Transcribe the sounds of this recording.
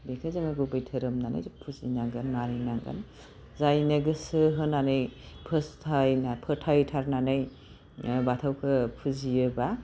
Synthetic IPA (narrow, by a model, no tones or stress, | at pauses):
bekʰɯzamɯɡubɯjtʰɯɾɯmnana̰jpʰuzinaɡɯnmaɾɯjnaɡɐ̰n | zajnɐɡɯsɯɦɯnanɯjpʰɯstʰajnapʰɯtʰajtʰaɾnanɯj | batʰawkʰɯpʰuzijɯba